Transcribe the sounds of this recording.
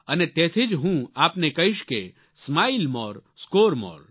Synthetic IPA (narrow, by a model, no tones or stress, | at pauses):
ənet̪eːt̪ʰid͡ʒɦũaːpnekɐɦiʃke | smaːilmɔɾskoːɾmɔ̰ɾ